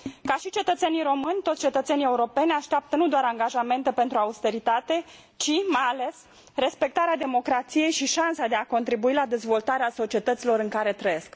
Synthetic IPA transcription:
kaʃit͡ʃe̞t̪ət̪se̞nijɾo̞mɨnʲt̪ot̪st͡ʃe̞t̪ət̪se̞nije̞uɾo̞pe̞nʲaʃt̪eap̚t̪ənud̪oaɾaŋɡaʒame̞nt̪e̞pe̞nt̪ɾuaust̪e̞ɾit̪at̪e̞ | t͡ʃimajale̞s | re̞spe̞k̚t̪aɾead̪e̞mo̞kɾat̪sije̞jʃiʃansad̪e̞ako̞nt̪ɾibuilad̪e̞zvo̞lt̪aɾeaso̞t͡ʃie̞t̪ət̪silo̞ɾɨŋkaɾe̞t̪ɾəje̞sk

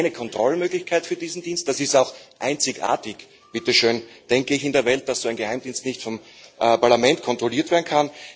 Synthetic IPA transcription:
ɪnəkʰɔntʁ̥ɔlmøːɡlɪçkʰaɪtfyːɐdiːzn̩diːnst̚d̥asɪstaʊxʔa̰ɪnt͡sɪçʔa̰ːɐtɪç | b̥ɪtəʃøːnd̥ɛŋkəɪçɪndeːɐvɛlt̚d̥asz̥oæɪnɡəhaɪmd̥iːnstnɪçtfɔmpaɐlamɛntkʰɔntʁ̥oliːɐtv̥eːɐn̩kʰan

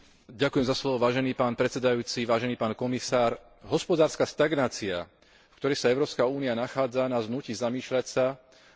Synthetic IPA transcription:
ɟakujɛmzaslɔʋɔʋaːʒɛniːpaːnpɾɛtt͡sɛd̪ajuːt͡siʋaːʒɛniːpaːnkɔmisaːɾ | ɦɔspɔd̪aːɾskaːst̪aɡnaːt͡sia̰ | fkt̪ɔɾɛjsaɛʊɾɔːpskauːnianaxaːd͡zanaznucizamiːʃʎacsa

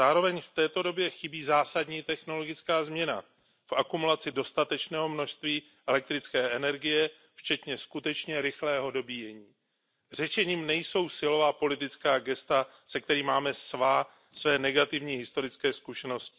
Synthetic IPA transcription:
aːɾo̞vɛɲft̪ɛːt̪o̞do̞bjɛxɪbiːzaːsadɲiːt̪ɛxno̞lo̞ɡɪt͡skaːzmɲɛna̰ | fʔakumulat͡sɪdo̞st̪at̪ɛt͡ʃnɛːɦo̞mno̞ʃst̪viː | ʔɛlɛk̚t̪ɾɪt͡skɛːʔɛnɛɾɡɪjɛ | ft͡ʃɛt̪ɲɛskut̪ɛt͡ʃɲɛɾɪxlɛːɦo̞do̞bijɛɲiː | r̝ɛʃɛɲiːmnɛjso̞wsɪlo̞vaːpo̞lɪt̪ɪt͡skaːɡɛst̪a | sɛk̚t̪ɛɾiːmaːmɛsvaː | svɛːnɛɡat̪ɪvɲiːɦɪst̪o̞ɾɪt͡skɛːskuʃɛno̞scɪ̥

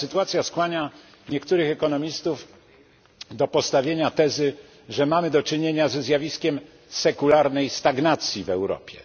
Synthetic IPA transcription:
sɘt̪uat̪sʲjaskwaɲa | ɲɛkt̪uɾɘxɛkɔnɔmʲist̪uf | d̪ɔpɔst̪avʲjeɲat̪ɛzɘ | ʐɛmamɘd̪ɔt͡ʂɘɲeɲazɛzjavʲiskʲɛm | sɛkulaɾnɛjst̪aɡnat̪sʲjivɛ̰wɾɔ̰pʲjɛ̰

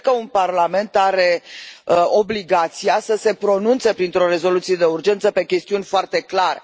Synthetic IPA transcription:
kəunparlame̞nt̪aɾe̞əo̞bliɡat̪siasəse̞pɾo̞nunt̪sepɾint̪ɾo̞ɾe̞zo̞lut̪sije̞d̪eurd͡ʒe̞nt̪səpe̞kʲe̞st̪iunʲfoart̪e̞klaɾe

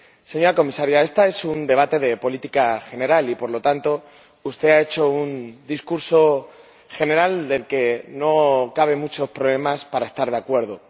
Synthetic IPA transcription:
se̞ɲo̞ɾako̞misaɾjae̞st̪ae̞sund̪e̞β̞at̪e̞ðe̞po̞lit̪ikaxe̞ne̞ɾalipo̞ɾlot̪ant̪o̞ | ust̪e̞ae̞t͡ʃo̞und̪iskuɾso̞ | xe̞ne̞ɾald̪e̞lke̞no̞kaβ̞e̞mut͡ʃo̞spɾoβle̞maspaɾaest̪aɾðe̞akwe̞ɾð̞o

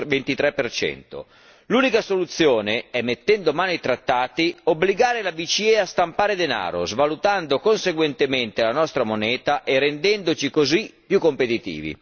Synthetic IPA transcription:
vent̪it̪ɾɛpːert͡ʃɛ̰nt̪o̰ | luːnikasolut̪sːjoːneɛmːet̪ːɛnd̪omaːnoit̪ɾat̪ːaːt̪iobliɡaːɾelabit͡ʃiɛast̪ampaːɾed̪ena̰ːɾo̰zvalut̪and̪okonseɡwent̪ement̪elanɔst̪ɾamonɛːt̪aʔerend̪ɛnd̪ot͡ʃikozipːjukːompet̪it̪ḭːvḭ

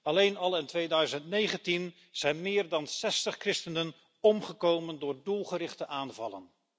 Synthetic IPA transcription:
ɑlejnɑlˠɪntʋejdœɥzəntnejχəntin | z̥ɛjnmɪːɹdɑnsɛstəχkrɪstənən | ɔmχəkowməndʊːɹdulˠχəɾɪχtəʔaːnvɑlə̰n

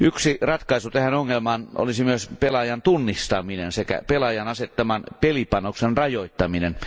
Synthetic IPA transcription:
yksirɑt̪kɑisut̪æhænoŋːelmɑːnʔo̰lisimyøspelɑjɑnt̪unːist̪ɑminensekæ̰pelɑjɑnɑset̪ːɑmɑnpelipɑnoksenrɑjoˑit̪ːɑminen

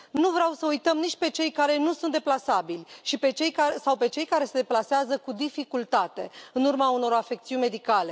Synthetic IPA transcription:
nuvɾeawsəujt̪əmnit͡ʃʲpe̞t͡ʃe̞jkaɾe̞nusunt̪d̪e̞plasabilʲʃipe̞t͡ʃe̞jkasawpe̞t͡ʃe̞jkaɾe̞se̞d̪e̞plaseazəkud̪ifikult̪at̪e̞ɨnurmauno̞ɾafe̞k̚t̪siunʲme̞d̪ikale̞

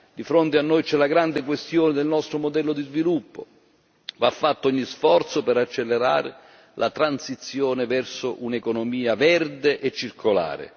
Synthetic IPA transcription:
d̪ifɾont̪ɪanːojt͡ʃɛlaɡɾand̪ɪk̬west̪joːnɪd̪elnɔst̪ɾomod̪ɛlːod̪izvilupːo̰ | vafːat̪ːɔɲːisfɔrt̪sopeɾat͡ʃːelːeɾa̰ːɾɪ̰ | lʔat̪ɾansit̪sːjoːnɪvɛrsoʔunekonomiːavɛrd̪eʔet͡ʃːirkʰola̰ːɾḛ

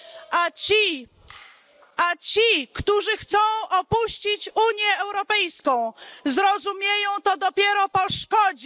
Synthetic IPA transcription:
at͡ɕi | ʔat͡ɕikt̪uʐɘxt̪sɔ̃w̃ɔpuɕt͡ɕit͡ɕuɲjɛːwɾɔpɛjskɔ̃w̃zɾɔzumʲjejɔ̃w̃t̪ɔd̪ɔpʲjeɾɔpɔʂkɔd͡ʑi

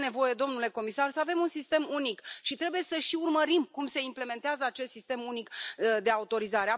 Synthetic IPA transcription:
ne̞vo̞je̞d̪o̞mnule̞ko̞misarsəave̞munsist̪e̞munikʃit̪ɾe̞buje̞səʃiurməɾimkumse̞imple̞me̞nt̪eazəat͡ʃe̞st̪sist̪e̞munikd̪e̞aut̪o̞ɾizaɾe̞a

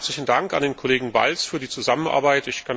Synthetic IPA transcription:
t͡slɪçn̩daŋka̰ndeːnkʰoleːɡŋ̩va̰lsfyːɐdiːt͡suzamənʔa̰ɐbaɪtɪçkʰan

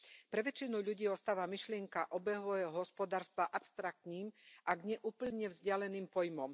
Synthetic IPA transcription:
pɾɛʋɛt͡ʃinuʎuɟiːɔst̪aːʋamiʃlɪɛŋkaʔɔbɛɦʋɔjɛɦɔspɔd̪aːɾst̪ʋaʔapst̪ɾak̚t̪niːmʔaɡɲɛʔuːpl̩ɲɛvzɟɪalɛniːmpɔjmɔm

